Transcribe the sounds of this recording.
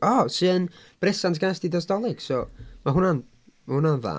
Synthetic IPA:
ɔsɨːn | b̥rɪsantʰɡ̥ajsdidɔsdɔlˠɪɡ̥sɔmaɦʊnan | mahʊnanða̰

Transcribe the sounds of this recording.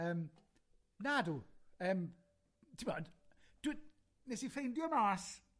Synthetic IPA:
əːm | naduəːm | tʰimɔ̰nd̥ɪ | nɛsifejndjɔmaːs

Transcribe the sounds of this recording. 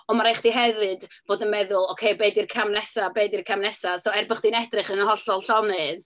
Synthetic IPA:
ɔmaɾajχd̥iɦɛvɨdb̥oːdənmɛðʊlˠɔkʰejbeɨdirkʰamnɛsabeɨdirkʰamnɛsasoɛrbəχd̥inɛdrɨχənəhɔɬɔlˠɬɔnɨð

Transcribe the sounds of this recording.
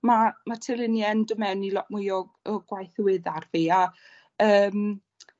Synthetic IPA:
mamatʰɪlˠɪnjɛndəmɛwnilɔʔ̚mʊjɔɡɔɡ̥wajθəwɪðarviːa | əːm

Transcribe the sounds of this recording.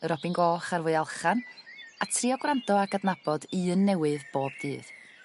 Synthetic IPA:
əɾɔbɪnɡɔːχarvʊɨalˠχanatʰriɔɡwrandɔaɡadnab̥ɔdiənːɛwɨðboːb̚dɨːð

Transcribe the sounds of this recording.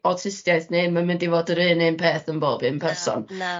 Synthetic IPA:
ɔtʰɪstjajθnejmamɪndivoːdəɾɨːnɨnpʰeːθənboːbɨnpʰɛrsɔ̰n

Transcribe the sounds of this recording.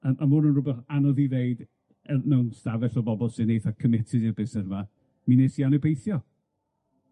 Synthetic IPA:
əʔamʊnənrʊbɛχanɔðiveɨd | ɛmɛwnstavɛɬɔbɔbɔlˠsɨnejθakʰəmɪtʰɪðɪbɪsɛrva | mineːsianɛbejθjɔ

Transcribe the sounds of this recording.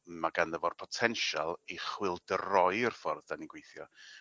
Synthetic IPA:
maɡanðəvɔr̥pʰɔtʰɛnʃalˠiχwɪlˠdərɔɨrfɔrðdaniɡwejθjɔ

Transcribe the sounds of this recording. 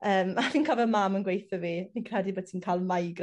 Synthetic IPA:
əːmaviːnkʰɔvɛlmamənɡwejθɔvininkʰrɛdibod̚tʰiːnkʰaːlˠmajɡ

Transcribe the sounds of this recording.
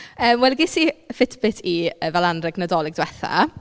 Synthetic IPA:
əːmwɛlɡɪsifɪtʰbɪtʰiəvalˠandrɛɡnədɔlˠɪɡ̚dwɛθa̰

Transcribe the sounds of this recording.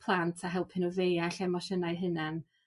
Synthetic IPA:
pʰlˠantʰaɦɛlˠpʰɪnɔvejaɬɛmɔʃənajɦənan

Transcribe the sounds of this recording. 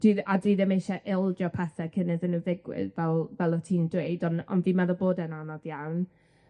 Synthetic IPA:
d̥iðadiːðɛmejʃɛʔɪlˠd͡ʒɔpʰɛθɛkʰənɪðənuðɪɡwɪ̰ðvɛlˠvɛlˠɔtʰiːndwejdɔnɔ̰nviːmaðɔboːdɛnanɔdjawn

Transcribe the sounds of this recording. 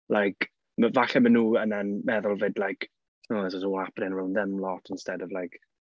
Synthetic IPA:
lajk | məvaɬɛmənuːənanmɛðʊlˠvɪdlajk | aɛsɔsənwlapʰnɪnrawnðɪmlɔtʰənstɛdɔvlajk

